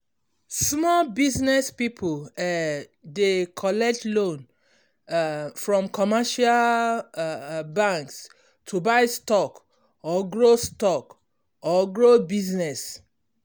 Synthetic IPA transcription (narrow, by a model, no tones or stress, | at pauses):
smɔlbiznɛspipʰul | dekʰɔlɛk̚tlõn | fɹɔ̃mkʰɔmaʃal | bãŋks | tʰubaɪstɔk | ɔɡɹostɔk | ɔɡɹobiznɛs